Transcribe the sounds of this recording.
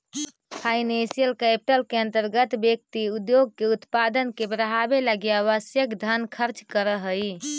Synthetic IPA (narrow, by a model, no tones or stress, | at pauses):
pʰainẽsijəlkɛpiʈəlkeənt̪əɾɡət̪bjək̚t̪iud̪joɡ̚keut̪pad̪ənkebɾəɦabeləɡijaʋəsjəkd̪ʱankʰəɾt͡ʃkəɾəɦəj